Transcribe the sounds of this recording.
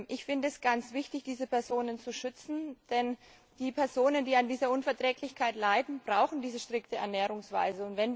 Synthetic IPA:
ʔɪçfɪndəɛsɡ̥ant͡sv̥ɪçtɪçd̥iːzəpʰɛɐzoːnənt͡suʃʏt͡sn̩d̥ɛn | d̥iːpʰɛɐzoːnəndiːandiːzɐʔʊnfɛɐtʁ̥ɛːklɪçkʰaɪtlaɪdn̩bʁaʊxn̩diːzəʃtʁ̥ɪktəɛ̰ɐnɛːʁʊŋsv̥a̰ɪzəʊntv̥ɛn

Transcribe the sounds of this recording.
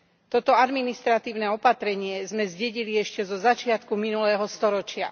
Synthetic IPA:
t̪ɔt̪ɔad̪minist̪ɾat̪iːʊnɛɔpat̪ɾɛɲɪɛzmɛzɟɛɟiliɛʃcɛzɔzat͡ʃɪat̪kuminulɛːɦɔst̪ɔɾɔt͡ʃɪa

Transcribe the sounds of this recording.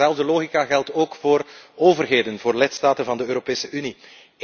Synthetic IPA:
ɛlˠvdəloːɣikaɣɛlˠtoːkfoːroːvərɦeːdənvoːrlɪtstaːtənvɑndəøːɾopeːsəʔyni

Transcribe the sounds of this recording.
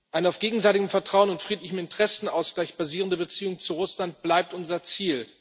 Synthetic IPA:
ʔaɪnəaʊfɡ̥eːɡŋ̩zaɪtɪɡəmfɛɐtʁ̥aʊənʊntfʁ̥iːtlɪçəm̩ɪntəʁ̥ɛsn̩aʊsɡ̥laɪçb̥aziːʁəndəbət͡siːʊŋt͡suʁʊslant̚b̥laɪp̚tʔʊnzɐt͡siːl

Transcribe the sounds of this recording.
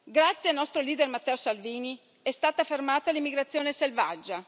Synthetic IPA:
ɡɾat̪sːjealnɔst̪ɾoliːd̪ermat̪ːɛːosalviːni | ɛst̪aːt̪afermaːt̪alimːiɡɾat̪sːjoːneselvad͡ʒːa

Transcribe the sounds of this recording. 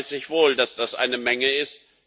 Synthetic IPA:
sɪçv̥oːldasd̥asʔa̰ɪnəmɛŋəɪst̚

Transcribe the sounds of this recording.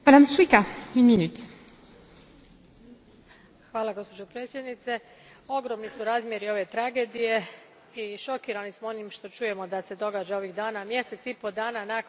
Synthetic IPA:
mad̪amʃuikaynminyt̪ | xʋaːlˠaɡo̞spo̞d͡ʒo̞pɾe̞ːt̪sje̞d̪nit̪se̞ | o̞ɡɾo̞mnisuɾaːzmʲje̞ɾio̞ʋe̞t̪ɾaɡe̞ːd̪ije̞ | iʃo̞kiːɾanismoonimʃt̪o̞t͡ʃuje̞mo̞d̪ase̞d̪o̞ɡaːd͡ʒao̞ʋiɣd̪aːnamje̞se̞t̪sipo̞d̪aːnanak

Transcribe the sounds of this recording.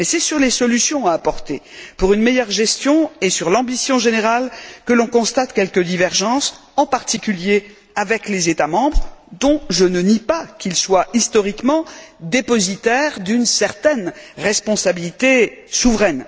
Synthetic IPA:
mɛsɛsyʁlesɔlysjɔ̃aːpɔʁt̪e | puʁynmɛjœʁʒɛst̪jɔ̃esyʁlɑ̃bisjɔ̃ʒeneʁalkəlɔ̃kɔ̃st̪at̪kʲɛlkəd̪ivɛʁʒɑ̃s | ɑ̃paʁt̪ikʲylje | avɛklezet̪amɑ̃bʁd̪ɔ̃ʒənənipakʲilswaist̪ɔʁikmɑ̃d̪epɔzit̪ɛʁd̪ynsɛʁt̪ɛnʁɛspɔ̃sabilit̪esuvʁɛn

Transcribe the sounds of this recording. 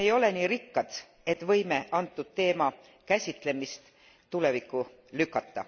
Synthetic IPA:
ejo̞le̞niːɾikːɑd̪̥ | e̞t̪vɤ̞jmeʔɑnt̪ːˑud̪̥̚t̪e̞ːmɑ | kæsʲit̪ˑle̞mist̪ | t̪ule̞vikːˑu | lykːˑɑt̪ːɑ̰

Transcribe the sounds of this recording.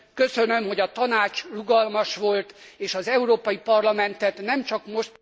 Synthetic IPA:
kø̞sønømho̞ɟɒt̪ɒnaːt͡ʃruɡɒlmɒʃʋo̞lt̪eːʃɒzɛuɾoːpɒjipɒrlɒmɛnt̪ɛt̪nɛmt͡ʃɒkmo̞ʃt̪

